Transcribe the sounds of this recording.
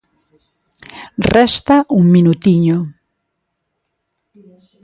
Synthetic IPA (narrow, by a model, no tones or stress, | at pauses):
rɛst̪aʔuŋminut̪iɲo